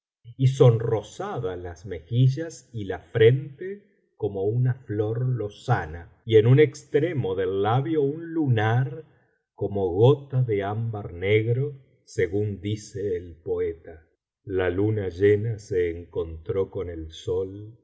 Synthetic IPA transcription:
iso̞nro̞saðalazme̞xiʒasilafɾe̞nt̪e | ko̞mo̞unafloɾlo̞sana | ienunekst̪ɾemo̞ðelːaβjo̞unlunaɾ | ko̞moɣot̪aðeambaɾneɣɾo | seɣund̪iseːlpoet̪a | lalunaʒenaseːŋko̞nt̪ɾo̞ko̞nelsol

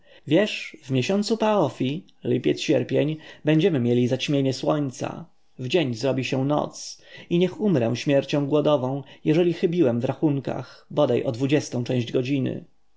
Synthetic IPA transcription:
vʲjɛʂvmʲjeɕɔnt̪supaɔfʲi | lɘpʲjɛt̪sɕɛɾpʲjeɲbɛɲd͡ʑɛmɘmʲjelʲizat͡ɕmʲjeɲɛswɔɲt̪sa̰ | vd͡ʑeɲzɾɔbʲiɕɛ̃nɔ̰t̪siɲɛxumɾɛ̰w̃ɕmʲjɛɾt͡ɕɔ̃w̃ɡwɔd̪ɔvɔ̃w̃jɛʐɛlʲixɘbʲiwɛmvɾaxuŋka̰xbɔd̪ajʔɔd̪vud͡ʑɛst̪ɔ̃w̃t͡ʂɛ̃w̃ʑd͡ʑɡɔd͡ʑinɘ̰

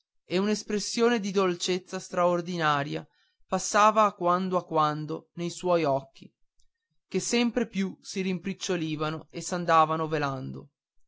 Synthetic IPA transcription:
eunespɾesːjoːned̪id̪olt͡ʃet̪sːast̪ɾaord̪inaːɾja̰ | pasːaːvaːkwand̪oakːwand̪onejswɔjɔkːi | kesːɛmpɾepjusiɾimpɾit͡ʃːoliːvanoesand̪aːvanoveland̪o̰

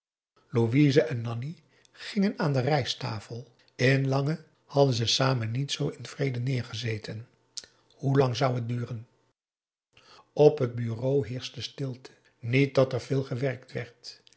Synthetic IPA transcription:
loʋizəʔɛnːɑni | χɪŋənaːndərɛjsta̰ːfəlˠ | ɪnlɑŋə | hɑdənzəsaːmənːitsowɪnv̥rejdənɪːɹχəzejtʰən | hulɑŋzʌwɦət̚dyːrən | ɔpɦət̚byrowɦɪːɹsdəstɪlˠtʰə̥ | nit̚dɑtɛɹv̥ɪːlˠχəʋɛɹk̚tʋɛɹt

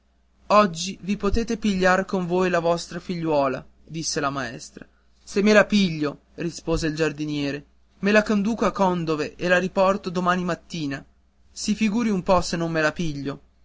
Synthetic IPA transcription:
ɔd͡ʒːivipot̪eːt̪epiʎːarkoɱvoːjlavɔst̪ɾafiʎːwɔːla̰ | d̪isːelamaɛ̰st̪ɾa | semːelapiʎːo | rispoːzeild͡ʒard̪injɛːɾe | melakond̪uːkoakːɔnd̪oveʔelaɾipɔrt̪od̪omaːnimat̪ːiːna | sifiɡuːɾiumpɔsenːomːelapiʎːo

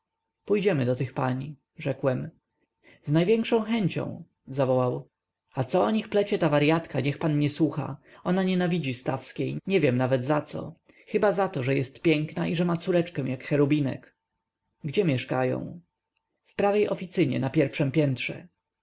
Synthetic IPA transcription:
pujd͡ʑɛmɘd̪ɔt̪ɘxpaɲi | ʐɛkwɛm | znajvʲjɛŋkʂɔ̃w̃xɛɲt͡ɕɔ̰̃w̃ | zavɔwaw | at̪sɔɔɲixplɛt͡ɕɛt̪avaɾjat̪kaɲɛxpanɲɛswuxa̰ɔnaɲɛnavʲid͡ʑist̪afskʲejɲɛvʲjɛmnavɛd̪zat̪sɔ̰ | xɘbazat̪ɔʐɛjɛst̪pʲjɛŋknaʔiʐɛmat̪suɾɛt͡ʂkɛ̃w̃jakxɛɾubʲinɛ̰k | ɡd͡ʑɛmʲjɛʂkajɔ̰̃w̃ | fpɾavejʔɔfʲit̪sɘɲɛ̰napʲjɛɾfʂɛmpʲjɛnt̪ʂɛ̰

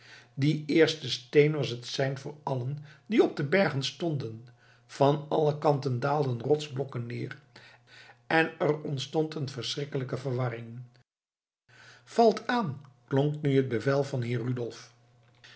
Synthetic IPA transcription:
diɪːɹstəstejnʋɑsətsɛjnvʊːɹɑləndiɔb̚dəbɛɹχənstɔndən | v̥ɑnɑləkɑntəndaːlˠdənrɔtzblɔkənːɪːr | ɛnəɹɔntstɔntənvəɹsrɪkələkəvəɹʋɑrɪŋ | v̥ɑlˠtaːnklɔŋknyɦəd̚bəvɛlˠvɑnɦɪːrydɔlˠf

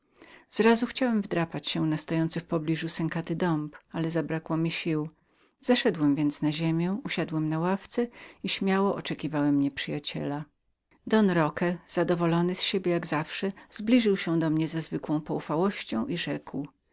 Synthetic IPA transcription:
z̥ɾazuxt͡ɕawɛmvd̪ɾapat͡ɕɕɛ̃nast̪ɔjɔnt̪sɘfpɔblʲiʐusɛŋkat̪ɘd̪ɔmpalɛzabɾakwɔmʲiɕiw | z̥aʂɛd̪wɛmvʲjɛnt̪snaʑemʲjɛ̃uɕad̪wɛmnawaft̪sɛiɕmʲjawɔʔɔt͡ʂɛkʲivawɛmɲɛpʂɘjat͡ɕɛ̰la | d̪ɔnɾɔkɛz̥ad̪ɔvɔlɔnɘsɕebʲjɛjaɡzafʂɛzblʲiʐɘwɕɛ̃d̪ɔmɲɛzɛzvɘkwɔ̃w̃pɔufawɔɕt͡ɕɔ̃w̃ʔiʐɛkw

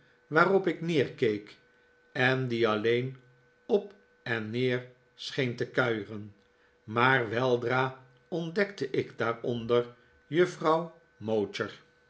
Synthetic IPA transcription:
ʋaːrɔpɪknɪːɹkejk | ɛndiɑlejn | ɔp | ɛnːeːɹ | sχejntəkœɥχən | maːɹʋɛlˠdraː | ɔndɛktəʔɪɡdaːrɔndəɹ | jɵfrɑw | mowtəɹ

